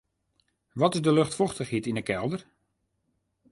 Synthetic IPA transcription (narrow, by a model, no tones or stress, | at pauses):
ʋɔtɪzdəløxtfɔxtəχhitinəkɛlˠdər